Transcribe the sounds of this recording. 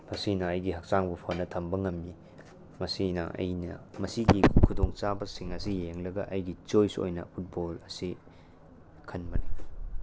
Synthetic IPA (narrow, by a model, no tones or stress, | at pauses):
mɐsinɐːjɡihɐk̚saŋbupʰonɐtʰɐmbɐŋɐmːi | mɐsinɐ̰ʔɐ̰jnɐ̰mɐsiɡikʰudoŋt͡ʃabɐsiŋɐsijeŋlɐɡɐ̰ʔɐjɡit͡ʃojso̰jnɐ̰pʰut̚bolɐsi | kʰɐnmɐni